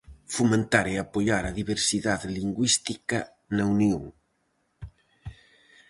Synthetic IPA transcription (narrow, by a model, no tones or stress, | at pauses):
fumẽnt̪aɾeapoʎaɾɐðiβeɾsiðaðliŋɡwist̪ikɐ | naunjoŋ